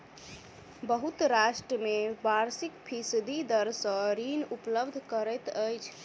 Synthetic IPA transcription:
bəɦut̪ɾaʃʈɾəmebaɾsikpʰisd̪ʱid̪əɾsə̃ɾinupləbd̪ʱkəɾɛt̪əjt͡ʃʰ

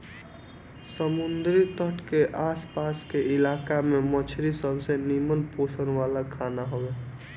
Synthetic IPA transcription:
səmund̪ɾit̪əʈʰkeʔaːspaskeɪlaːkamemət͡ʃʰɾisəbʱsenimənposʰənʋalakʰaːnaɦobeː

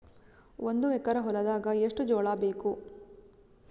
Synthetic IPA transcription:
ond̪uɛkːɐɾɐɦɔɾɐd̪aːɡɐeʂʈud͡ʒɔːɭaːbeːku

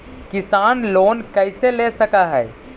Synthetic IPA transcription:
kɪsaːnloːnkɛɪseleːsɐkaɦɛː

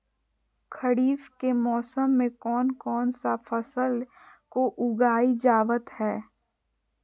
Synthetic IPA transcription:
kʰəɽiːfkemɔːsəmːẽkɔːnkɔːnsafəsəl | koʔʊɡaːid͡ʒaːʋət̪hɛː

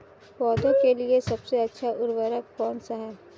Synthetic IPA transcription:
pɔːd̪õkeliesɐbseɐtːʃʰaʔʊɾwəɾəkːɔːnsaɦɛː

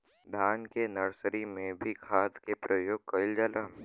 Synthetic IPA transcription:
d̪ʱaːnkenɐɾsɾimẽbʱikʰaːd̪kepɾɐjoːɡ̚kɐɪld͡ʒaːlam

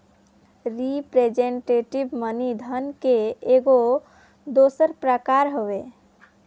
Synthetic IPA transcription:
ɾipɾed͡ʒeɳʈeʈibmənid̪ʱənkeeɡo | d̪osəɾpɾəkaɾɦoʋe

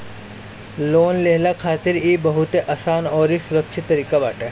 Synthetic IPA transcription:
loːnleɦlakʰaːt̪ɪɾiːbɐɦut̪eʔasaːnɔːɾisʊɾəkt͡ʃʰɪt̪ːɐɾiːkabaːʈɛː

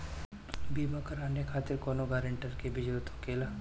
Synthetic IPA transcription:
biːmakəɾaːnekʰaːt̪ɪɾkoːnoɡaːɾɪɳʈəɾkebɪd͡ʒɾut̪okeːla

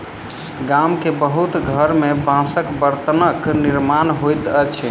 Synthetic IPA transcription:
ɡamkebəɦut̪ɡʱəɾmebãsəkbəɾt̪ənəkniɾmanɦojt̪ət͡ʃʰɛ

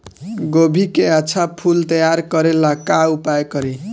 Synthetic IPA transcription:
ɡobʱikeat͡sʰapʰult̪ʌjaɾkʌɾelakaupajkʌɾi

